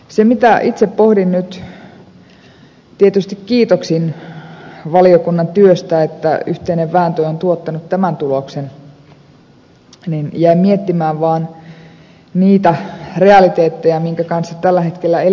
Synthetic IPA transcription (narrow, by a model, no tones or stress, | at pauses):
semit̪æʔit̪seppohdinnyt̪ | t̪iet̪yst̪ikkiːt̪oksin | ʋɑliokunːɑnt̪yøst̪æet̪ːæyht̪eineʋʋæːnt̪øiont̪uot̪ːɑnut̪t̪æmænt̪uloksen | ninjæimiet̪ːimæːʋʋɑːn | niːt̪æreɑlit̪eːt̪ːejɑmiŋkækɑnsːɑt̪ælːæhet̪kelːæe